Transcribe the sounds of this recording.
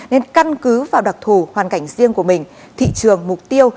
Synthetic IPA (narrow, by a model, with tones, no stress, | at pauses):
ne˧nka˧nkɨ˨˦vaː˨˩wɗa˨˩k̚t̪ʰu˧˩hwaː˨˩nka˧˩jŋ̟zi˧əŋku˧˩əmï˨˩ŋ̟ | t̪ʰḭ˧˨t͡ɕɨ˨˩əŋmʊ˨˩k͡p̚t̪i˧əw